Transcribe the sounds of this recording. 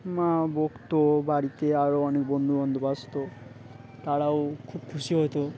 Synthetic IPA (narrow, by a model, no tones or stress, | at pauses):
mãbokt̪obaɽit̪eaɾoɔnekbɔnd̪ʱubɔnd̪ʱubast̪o | t̪aɽaokʰubkʰuʃiɦɔjt̪o